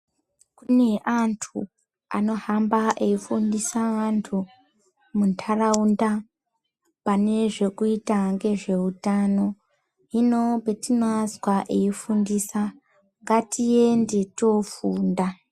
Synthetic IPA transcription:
kune̞ʔantʰu | a̰no̞hambaeifundisaantʰu | muntʰaraunda | pane̞ʐe̞kuitaŋɡe̞ʐe̞utano̞ | ɦino̞petinazwaʔeifundisa | ŋɡatie̞nde̞to̞fuːnda

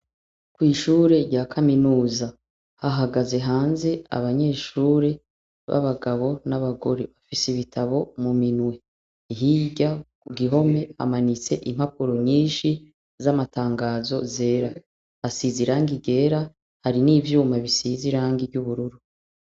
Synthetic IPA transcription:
kwiːʃuːɾe̞ɾɟaːkʰaminuːza | haɦaɡaze̞ɦaːnze̞a̰βaɲe̞ːʃuːɾe̞ | βa̰βaɡaβo̞naβaɡo̞ɾeβafisiβitʰaβo̞muminwe̞ | iɦiɟakuɡiɦo̞me̞ha̰manit͡se̞ʔim̥hapuɾo̞ɲiːnʃi | zamataːŋɡaːzo̞ze̞ːɾa | hasiziɾaːŋɡiɡe̞ːɾa | haɾiniːvjuːmaβisiziɾaːŋɡivɟuβuɾuɾu

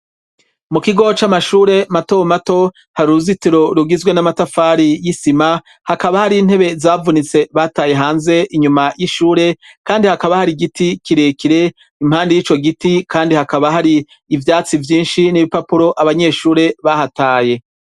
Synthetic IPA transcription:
mukiɡo̞t͡ʃamaʃuːɾe̞matomato̞ | haɾiɾuzitiɾo̞ɾuɡizwe̞namatafaːɾijisima | hakaβahaɾin̥he̞βe̞zaːvunit͡se̞βaːtaːje̞ɦaːnze̞ʔiɲumajiʃuːɾe̞kaːndihakaβahaɾiɡitikiɾekiɾe̞ | im̥haːndijiːt͡ʃo̞ɡitikaːndihakaβaɦaɾiː | vjaːt͡sivjiːnʃiniβipapuɾo̞ʔaβaɲe̞ːʃuːɾe̞βahataːje̞

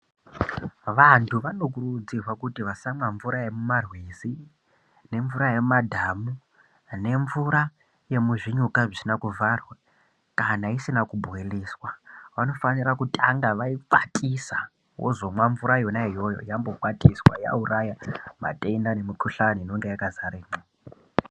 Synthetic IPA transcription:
ʋantʰuʋanok̬urud͡zirwakutiʋasamwaɱvuɾajemumarwizi | ne̞ɱvuɾaje̞madʱamu | ne̞ɱvuɾa | je̞muʐiɲukaʐisinakuvʱarwe | kanaisinakubʱoeliːswaʋano̞fanirakutʼaŋɡaʋaipatʼisa | wʔo̰zo̞mwaɱvuɾajonaɦijo̞jo̞̰jambo̞ɓatʼiswa̰ja̰urajama̰tʼendanemikʰuɬaninoŋɡejakazaɾeːmo

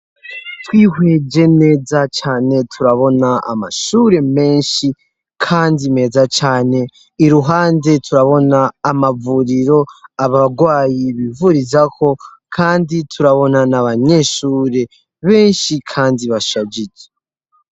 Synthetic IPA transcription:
twiːɦwe̞d͡ʒe̞ne̞ːzat͡ʃaːne̞tʰuɾaβo̞naa̰ma̰ʃuɾe̞me̞ːnʃi | kʰaːndime̞ːzat͡ʃaːne̞ | iɾuɦaːnde̞tʰuɾaβo̞naːmavuɾiɾo̞aβaɡwaːjiβivuɾizakʰo̞ | kʰaːnditʰuɾaβo̞nanaβaɲe̞ʃuːɾe̞ | βe̞ːnʃikʰaːndiβaʃad͡ʒid͡ʒe

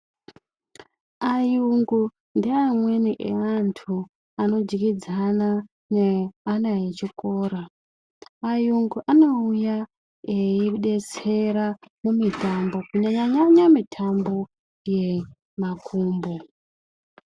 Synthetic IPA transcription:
ajuŋɡu | ndiamweniʔeantʰu | ano̞d͡ʒikid͡zana | neanajet͡ʃikoːɾa | ajuŋɡuʔano̞uja | eiɗe̞t͡se̞ɾamumitʰambo̞kuɲaɲaɲaɲamitʰambo̞ | je | makʰuːmbo̞

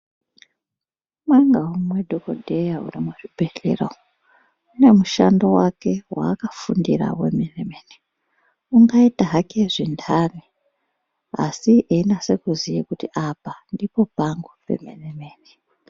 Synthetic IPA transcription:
mwaŋɡaumwe̞dʱokodʱejaṵrimwuʐibʱe̞ɬḛra | une̞muʃandowake̞wa̰ːkafundira̰wḛmenemeni | uŋɡaitaɦake̞ʐindʰani | a̰siʔeinase̞kuzijikutiʔapandipo̞paŋɡupḛmḛnemeːni

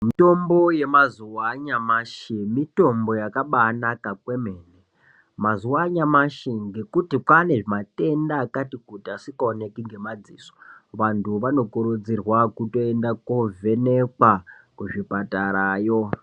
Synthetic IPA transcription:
mito̞mbo̞je̞mazuwaɲamaʃimito̞mbo̞jakaɓanakakwe̞meːne | mazuwaɲamaʃiŋɡe̞kutikwane̞ʐimate̞ndaːkatikutiasikaonekiŋɡe̞mad͡ziːso̥ʋantuʋano̞kuɾud͡zirwakuto̞endakovʱe̞nekwakuʐipataɾaːjo

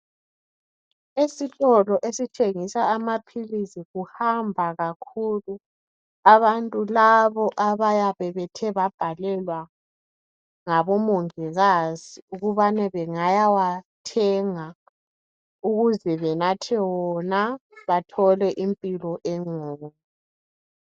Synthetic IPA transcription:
esitʼɔlɔʔesit͡ʃʼeŋisaːmapʰilisiɣuhambʱaɣakʰulu | aβantʼulaβɔʔaβajaβɛβɛtʰɛβab̥ʱalɛlwa | ŋaβɔmɔŋɛɣaziuɣuβanɛβɛŋajawatʰɛŋa | uɣuzɛβɛnatʰɛwɔnaβatʰɔlɛʔimpʼilɔʔɛŋoːmu

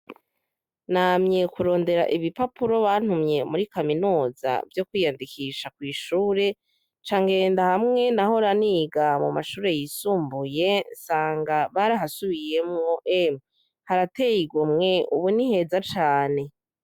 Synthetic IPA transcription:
namɲe̞kuɾo̞ːnde̞ɾa̰ʔiβipapuɾo̞βan̥umɲe̞muɾikaminuːza̰vjo̞kwiːjandikʰiʃakwiːʃuːɾe̞ | t͡ʃaːŋɡe̞ndahamŋe̞naho̞ɾaniɡamumaʃuːɾe̞jisuːmbuje̞nsaːŋɡaβaɾaɦasuβije̞mŋo̞ʔe | haɾate̞jiɡumŋe̞uβunihe̞zat͡ʃaːne̞

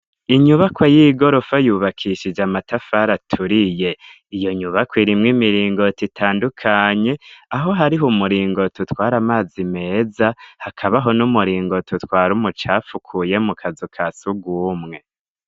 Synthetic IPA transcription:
iɲuβakwajiɡo̞ɾo̞fajuːβakʰiʃid͡ʒamatafaɾatʰuɾije̞ | ijo̞ɲuβakwiɾimŋimiɾiːŋɡo̞titʰaːndukʰaɲe̞aɦo̞ɦaɾiɦumuɾiːŋɡo̞tʰutwaːɾamaːzime̞ːzahakʰaβaɦo̞numuɾiːŋɡo̞tutwaːɾumut͡ʃaːfukʰuje̞mukʰazukʰasuɡuːmŋe̞

